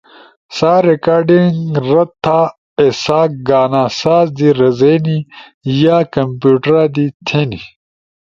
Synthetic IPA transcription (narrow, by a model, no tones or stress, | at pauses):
saːɾekaːɾɖiŋɾɐt̪ʰːaː | esaːk̚ɡaːnaːsaːzd̪iɾɐzeːni | jaːkɐmpjuːʈɐɾaːd̪it̪ʰeːni